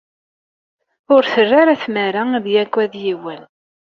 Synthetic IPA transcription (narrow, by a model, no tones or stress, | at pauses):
ʊɾθərːaɾæθmæɾaðjækʷːæðjiwəl